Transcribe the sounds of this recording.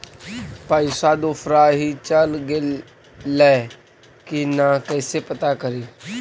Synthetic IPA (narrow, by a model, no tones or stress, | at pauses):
pəɪsad̪oːfʰɾaːɦit͡ʃəlɡeː | ɛː | kinakɛːsepət̪akəɾiː